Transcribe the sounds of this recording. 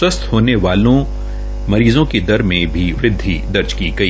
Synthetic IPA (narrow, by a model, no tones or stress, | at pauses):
ɐst̪hoːneʋaːlõ | mɐɾiːzõked̪ɐɾmẽbʱiʋɾɪd̪ʱːid̪ɐɾd͡ʒkiɡɐi